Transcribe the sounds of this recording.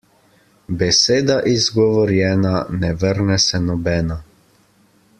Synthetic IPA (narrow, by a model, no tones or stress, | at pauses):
bɛseːd̪aʔizɡɔʋɔɾjɛːnanɛʋəɾnɛsɛnɔbɛːna